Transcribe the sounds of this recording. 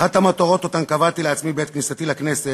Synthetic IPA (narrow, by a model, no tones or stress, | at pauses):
at̪amat̪oʁo̞t̪ot̪ankavat̪ileat͡smibet̪knisatilaknese